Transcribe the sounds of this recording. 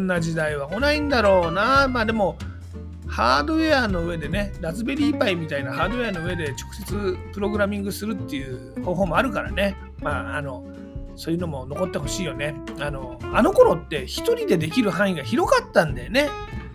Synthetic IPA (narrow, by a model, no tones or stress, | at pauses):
nːaʑid̪aiβ̞amonaĩnd̪aɾo̞ːnamaːd̪e̞mo̞ | haːd̪o̞e̞ano̞ɯ̟e̞d̪e̞ne̞ɾazɨbe̞ɾʲiːpaimʲit̪ainahaːd̪o̞e̞ano̞ɯ̟e̞d̪e̞t͡ɕo̥kɯ̟̥se̞t͡sɨpɯ̟ɾo̞ɡɯ̟ɾamʲĩŋɡɯ̟sɨɾɯ̟t̪ːe̞jɯ̟ː | ho̞ːɦo̞ːmo̞aɾɯ̟kaɾa̰ne̞ | maːano̞ | so̞ːjɯ̟nomo̞no̞ko̞t̪ːe̞ɦo̞ɕiːjo̞ne̞ano̞ano̞ko̞ɾo̞t̪ːe̞çi̥t̪o̞ɾʲid̪e̞d̪e̞kʲiɾɯ̟ɦãɰ̃iɡaçiɾo̞kat̪ːãnd̪ane̞